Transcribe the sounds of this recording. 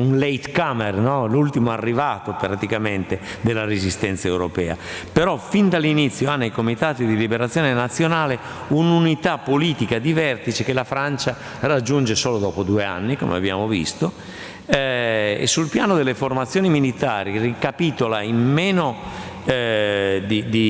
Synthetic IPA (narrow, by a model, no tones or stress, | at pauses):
unlejt̪kamernɔlult̪imoarːivaːt̪opɾat̪ikament̪ed̪elːaɾezist̪ɛnt̪saewɾopɛːa̰ | peɾɔfind̪alːinit̪sːjoanːejkomit̪aːt̪id̪ilibeɾat̪sːjoːnenat̪sːjonaːle | ununit̪apːoliːt̪ikad̪ivɛrt̪it͡ʃekelafɾant͡ʃa | rad͡ʒːund͡ʒesoːlod̪ɔːpod̪uea̰nːiko̰mʔḛa̰bja̰ːmovḭst̪o | ḛsːulpjaːnod̪elːeformat̪sːjoːnimilit̪aːɾirikapit̪olaimːeːno | d̪id̪i